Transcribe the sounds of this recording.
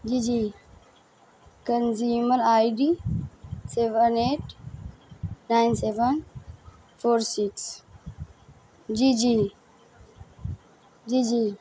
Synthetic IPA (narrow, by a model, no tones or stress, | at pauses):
d͡ʒid͡ʒi | kənziːməɾajɖi | seʋəneːʈ | naɪnseʋən | foːɾsiks | d͡ʒid͡ʒi | d͡ʒid͡ʒi